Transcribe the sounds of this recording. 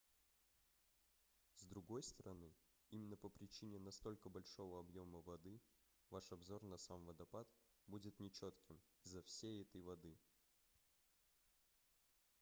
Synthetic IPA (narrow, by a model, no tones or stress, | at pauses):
zd̪ɾʊɡo̞jst̪əɾʔɐnɨ | imʲɪnːəpəpɾʲɪt͡ɕinʲɪnɐst̪o̞lʲkəbɐlʲʂo̞vəɐbjo̞məvɐd̪ɨ | vaʂɐbzo̞rnɐsamvəd̪ɐpat̪budʲɪt̪nʲɪt͡ɕot̪kʲɪm | ɪzːɐfsʲejɛt̪əjvɐd̪ɨ